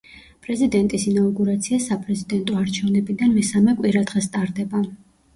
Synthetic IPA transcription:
pʼɾɛzid̪ɛnt̪ʼisinauɡuɾat̪sʰiasapʼɾɛzid̪ɛnt̪ʼɔaɾt͡ʃʰɛvnɛbid̪anmɛsamɛkʼwiɾad̪ʁɛst̪ʼaɾd̪ɛba

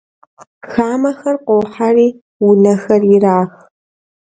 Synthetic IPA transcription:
xaːmɐxɐrqʷowħariː | wʊnɐxɐrjɪraːx

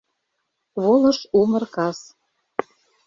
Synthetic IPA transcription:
βolˠɤ̆ʃumɤ̆rkɑs

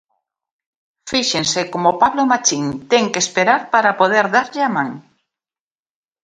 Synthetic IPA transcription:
fiʃensekomopaβlomat͡ʃiŋt̪ɛŋkespeɾaɾpaɾapoð̞eɾðaɾʎɪamãŋ

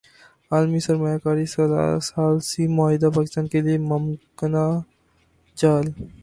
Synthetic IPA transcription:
aːlmisɐɾmaːjakaːɾisɐla̰saːlsimʊaːɦɪd̪apaːkɪst̪aːnkeliemɐmkəna | d͡ʒaːl

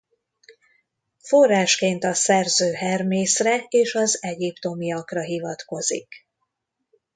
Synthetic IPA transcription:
fo̞rːaːʃkeːnt̪ɒsɛrzøːɦɛrmeːsrɛeːʃɒzɛɟipt̪o̞miɒkrɒɦivɒt̪ko̞zḭk

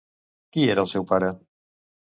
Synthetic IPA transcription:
kieɾalˠsewpaɾe

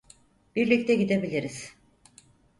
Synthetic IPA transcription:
b̥iɾlʲic̚t̪ʰɛɟid̪e̞bilʲiɾiz̥

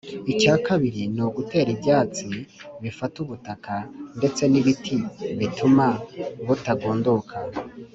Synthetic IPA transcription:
icaːkaβiɾinoɡute̞ːɾibjaːt͡siβifatuβutakʰande̞t͡se̞niβitʰiβitʰumaβutaɡoːndokʰa

